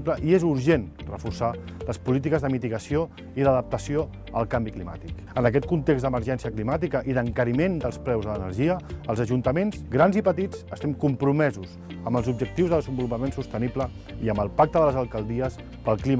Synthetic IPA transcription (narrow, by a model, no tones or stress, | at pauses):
pləʔiezuɾʒenrəfursa | ləspulit̪̬ikəzðəmit̪iɣəsio | iðəðəp̚t̪əsio | ə̰lˠkambiklima̰t̪ik | ənəkɛt̪̚kunt̪eɡzd̪əməɾʒɛnsiəklimat̪ikəʔiðəŋkəɾimend̪əlˠsplɛwzðələnərʒiəːlˠzəʒunt̪əmenzɡɾanzipət̪id͡zəst̪ɛmkumpɾumɛzuz | əmbəlˠzubd͡ʒək̚t̪iwzðəðəzəmbulupəmensust̪əniplə | iəmbəlˠpak̚t̪əðələzəlˠkəlˠd̪iəs | pəlˠklim